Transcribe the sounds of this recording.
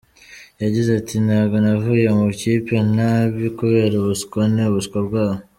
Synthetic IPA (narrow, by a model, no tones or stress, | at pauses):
jaɟizatʰinaɡonavujemucipenaβikuβe̞ɾuβuskoneuβuskobɡwaːβo